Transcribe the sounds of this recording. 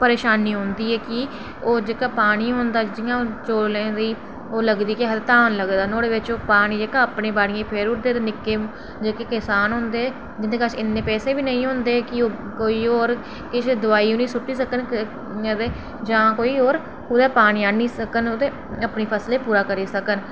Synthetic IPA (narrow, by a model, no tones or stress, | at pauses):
pəɾeːʃaːniːɦõːnd̪iːɛːkɪ | oːd͡ʒeːkaːpaːɽ̃iːɦõːnd̪aːd͡ʒɪãːot͡ʃoːllẽːd̪iː | oːləɡd̪iːkɪɦət̪t̪aːnləɡd̪aːnoːɽeːʋɪt͡ʃoːpaːɽ̃iːd͡ʒeːkaːəpnẽːbaːɽɪjãːpʰeːɾʊʈd̪eːt̪eːnɪkːeː | d͡ʒeːkeːkɪsaːnɦʊ̃ːnd̪eːɛ | d͡ʒɪnd̪eːkat͡ʃʰɪnːẽːpɛːseːbiːnəĩːɦʊ̃ːnd̪eːkɪoːkoːiːoːɾ | kɪt͡ʃʰd̪ʊaːiːõːnĩːsʊʈːiːsəkən | d̪eː | d͡ʒãːkoːiːoːɾ | ʊd̪ɛːpaːɽ̃iːaːniːsəkənot̪eː | əpneːpʰəsleːpuːɾaːkəɾiːsəkən